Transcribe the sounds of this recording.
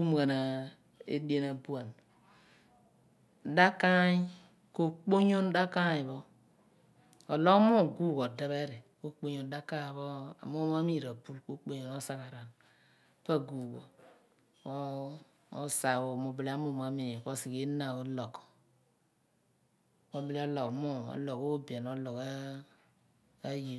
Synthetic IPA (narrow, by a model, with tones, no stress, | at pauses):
u˦m˨ka˨na˨ | ḛ˦di˦e˦na˨bu˦a˨n˨ | da˦ka˦ɲi˦ | ko˦k͡po˦ɲo˦nda˦ka˦ji˨bo˦ | o˨lo˦kmo˦˨ɡu˦˨ko˨de˨βe˦ɾi˨ko˦k͡po˦ɲo˨nda˦ka˦˨bo˦a̰˨mo˦m˦a˦mi˦˨ɾa˨pu˦lko˦k͡po˦ɲo˨no˦sa˦ka˨ɾa˨n | pa˦ɡu˨ɡo̰˨ | o˦ | o˦sa˨wo˨mo˨˦bi˦la˦mu˦ma˨mi˨ko˦si˨ke˦na˨o˦lo˨k | mo˦bi˦li˦ɔ˦lɔ˨kmo˦ɔ̰˨˦lo˨ko˦bi˨e˨no˦lo˨ka˦ | ji˨